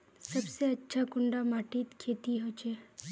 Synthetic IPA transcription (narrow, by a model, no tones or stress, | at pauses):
sɐbseɐtːʃʰakʊɳɖamaːʈiːt̪kʰeːt̪iɦoːt͡ʃeː